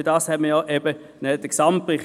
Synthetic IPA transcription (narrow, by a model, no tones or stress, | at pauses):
d̥ɑːshɛtməjɔʔɛbə | nɛd̪̥əksɑmtpʁɪχ